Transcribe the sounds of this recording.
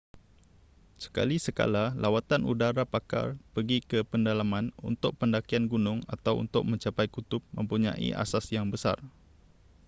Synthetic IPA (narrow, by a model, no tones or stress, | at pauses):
sə̥ka̰lisəka̰lalʔawat̪anʔudaɾapaka̰rpəɡikəpəndalamãnṵnt̪ʊk̚pəndakianɡunʊŋa̰t̪awṵnt̪ʊk̚mə̃ɲt͡ʃapajkut̪ʊp̚mə̰̃mpuɲã̰ʔḭʔa̰sasjaŋbəsa̰r